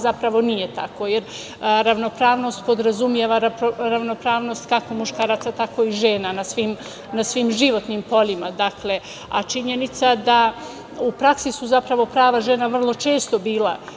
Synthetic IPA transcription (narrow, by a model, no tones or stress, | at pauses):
zapɾaʋo̞nije̞t̪ako̞jeɾ | ɾaʋno̞pɾaːʋno̞st̪po̞d̪ɾazumjeʋaɾaɾaʋno̞pɾaːʋno̞st̪kako̞muʃkaːɾaːt̪sat̪ako̞iʒe̞ːnanasʋim | nasʋimʒiʋo̞t̪niːmpo̞limad̪akle̞ | at͡ʃiɲe̞nit̪sad̪a | upɾaksisuzapɾaʋo̞pɾaːʋaʒe̞naʋr̩lˠo̞t͡ʃe̞ːst̪o̞biːla̰